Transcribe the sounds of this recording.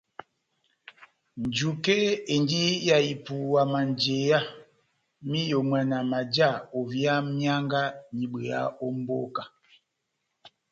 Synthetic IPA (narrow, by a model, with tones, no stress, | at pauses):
n̩˨d͡ʒu˨ke˦e˨ndi˦ja˨i˨pu˨wa˨ma˨n˨d͡ʒe˨ja˦ | mi˦jo˨mɛ˨na˨ma˨d͡ʒa˦˨o˨vja˦mja˦ŋɡa˦ɲi˨bə˨a̰˦o˦m˦bo˦ka˨